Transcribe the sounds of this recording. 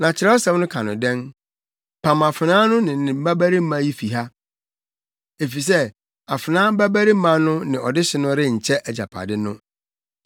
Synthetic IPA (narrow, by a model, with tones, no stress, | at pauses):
nã˨t͡ɕʰɪ˨˦ɾɛ˦ɔ˦sɛ̃˨˦mnʊ̃˦kʰã˨nʊ̃˨dɛ̃˦n | pʰã˨ma˨fɪ˨nãː˦nʊ̃˦nɪ̃˨nɪ̃˨m̩˦ba˦bæ˦ɾi˦m̩˦mã˦ji˦fi˨ɦa˦ | e˨fi˨s̬ɛ˦ | a˨fɪ˨nãː˦bæ˦bæ˦ɾi˦m̩˦mã˦nʊ̃˦nɪ̃˨ɔ˨dɪ˦ɕɪ˨˦nʊ̃˦ɾɪ˦ɲ̩˨t͡ɕʰɛ˦ʔɛ˨d͡ʑa̰˨pʰa̰˨dɪ˦nʊ̃˦